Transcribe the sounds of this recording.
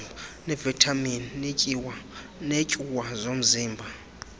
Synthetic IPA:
anɛvitʰʼaminnecʼiwanecʼuwazom̩ziːmbʱa

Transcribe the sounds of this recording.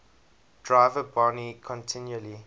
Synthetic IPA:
d̥ɹaɪvəbɔnikʰɔ̃ntʰɪ̃njuəli

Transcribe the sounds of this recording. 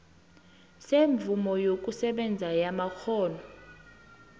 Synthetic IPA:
seɱb̪vumɔjok̬ʼusɛɓɛnd͡zʱajamaxɔːnɔ

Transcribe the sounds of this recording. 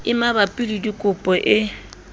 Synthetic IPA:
ɪmabapʼilidikʼʊpʼɔʔɪ

